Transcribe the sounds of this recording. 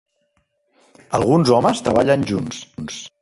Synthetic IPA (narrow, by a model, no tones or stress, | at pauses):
əlˠɣunzɔməst̪ɾə̰βaʎənʲʒunsns